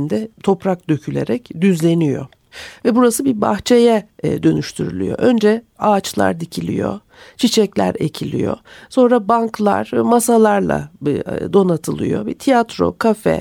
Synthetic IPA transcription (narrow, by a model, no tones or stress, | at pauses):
nd̪ɛt̪ʰo̞pɾak̚d̪øcʰylʲe̞̰ɾɛcd̪yzlʲe̞nijo̰ | vɛbuɾasɯbiba̰xt͡ʃʰe̞jɛd̪ø̞nyʃt̪ʰyɾy̰lʲy̰jo̞̰ʔø̞nd͡ʒɛ | aːt͡ʃlˠa̰ɾd̪icʰilʲḭjo̰ | t͡ʃʰit͡ʃʰɛclʲæ̰ɾecʰilʲḭjo̞̰so̞nɾabanklˠa̰ɾ̥masalˠaɾlˠa̰d̪o̞nat̪ʰɯlˠɯ̰jo̰bit̪ʰijat̪ɾo̞̰kʰafɛ̰